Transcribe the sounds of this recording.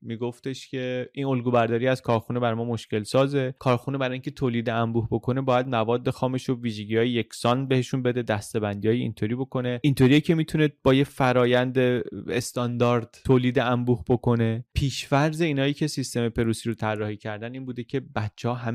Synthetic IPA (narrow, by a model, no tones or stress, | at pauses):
miɡo̞ft̪e̞ʃcʲʰe̞ʔino̞lɡuːbæɾd̪ɒːɾiæzkʰɒːɾxune̞bæɾmɒːmo̞ʃce̞lsɒːze̞kʰɒːɾxunebæɾɒːiŋcʲʰe̞t̪ʰoːliːd̪eæmbuːhbo̞kʰo̞ne̞bɒːjæd̪̚mævɒːd̪ːe̞xɒːme̞ʃoviːʒe̞ɟiɒːjeje̞cʰʲsɒnbe̞he̞ʃunbe̞d̪e̞d̪æst̪e̞bænd̪iɒːjeḭnt̪ʰo̞ɾiːbo̞kʰo̞ne̞int̪ʰo̞ɾijecʰe̞mit̪ʰuned̪̚bɒːje̞fæɾɒːjænd̪eest̪ɒnd̪ɒːɾd̪̥tʰoːliːd̪eæmbuːhbo̞kʰo̞ne̞pʰiːʃfæɾze̞iːnɒːjiːcʰe̞sist̪e̞me̞pʰe̞ɾuːsiɾot̪ʰærːɒːhicʰæɾd̪æniːnbuːd̪ecʰe̞bæt̪t͡ʃʰehɒːɦæ